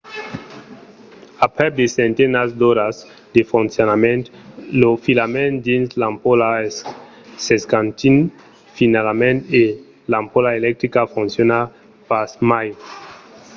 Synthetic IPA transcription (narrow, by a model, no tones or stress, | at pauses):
apɾɛd̪esẽnt̪enazd̪oɾaz | d̪efunsjonamẽnt̪lofilamẽnd̪inslampola | seskãnt̪in | finalamẽnt̪e | lampolaelɛk̚t̪ɾikafũnsjona | pasmaj